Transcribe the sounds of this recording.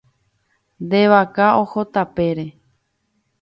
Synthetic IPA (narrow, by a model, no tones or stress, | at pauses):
nd̪e̞ʋakaoho̞t̪ape̞ɾe̞